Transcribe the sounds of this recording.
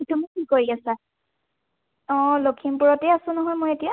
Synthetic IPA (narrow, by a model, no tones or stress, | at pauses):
tumikikoɹiasa | ɔ̃lokʰimpuɹɔtɛasʊ̃nɔɦɔjmojetija